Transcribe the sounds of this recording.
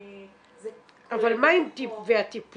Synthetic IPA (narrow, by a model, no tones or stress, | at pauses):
avalmajnt̪ipveat̪ip